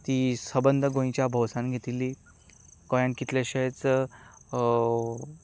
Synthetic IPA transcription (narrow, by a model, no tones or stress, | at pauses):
t̪iːsəbənd̪ʱəɡõĩt͡ɕjabʱəwsãnɡʱet̪ilːiː | kɔjãnkit̪leɕəjt͡s